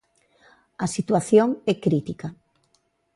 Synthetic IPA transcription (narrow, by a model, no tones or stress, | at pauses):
asit̪waθjoŋɛkɾit̪ika